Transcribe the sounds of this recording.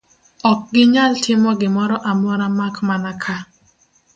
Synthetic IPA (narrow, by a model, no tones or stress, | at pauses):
ɔk̚ɡɪɲaltʰɪmɔɡɪmɔɾɔʔamɔɾamakmanakʰa